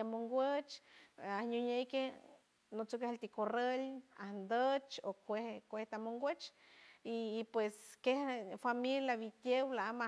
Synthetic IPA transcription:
amoŋɡwʷət͡ʃahɲuɲejke | not͡suk̬ehelt̪ikorelahnd̪ət͡ʃokʷehkʷeht̪amoŋɡʷet͡ʃ | ipweskehfamiljaβit̪jewlaama

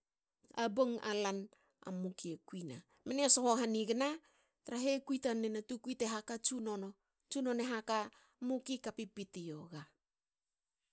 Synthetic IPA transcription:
aboŋa̰lan | a̰mukiekuina | menesohoɦaniɡana | taɾaɦekujtanenatukuiteɦakat͡ʃunono | t͡ʃuno̞neɦaka | mukikapipitioɡa

